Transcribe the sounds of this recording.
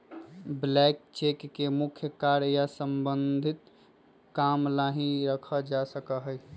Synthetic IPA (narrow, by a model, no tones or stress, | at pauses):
blɛkt͡ʃekːemukʰjəkaɾjasəmbənd̪ʱit̪ | kamlaɦĩɾəkʰəd͡ʒasəkəɦəj